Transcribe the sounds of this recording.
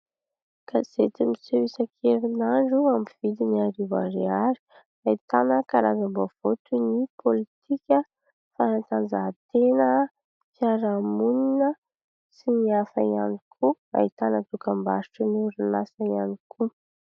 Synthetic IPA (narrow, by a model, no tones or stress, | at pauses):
kaz̥et̪imisewisakʰeɾinaɳɖ͡ʐuamiv̥id̪iniaɾiva̰ɾeaɾi̥ | ait̪anəkaɾazambov̥ot̪unipʰolit̪ʰikʲə | faɾant̪and͡zaɦt̪enə | fjaɾamuninə | siniafaia̰nikʰu | a̰it̪anət̪ukambaɾiʈ͡ʂunuɾinasaianikʰu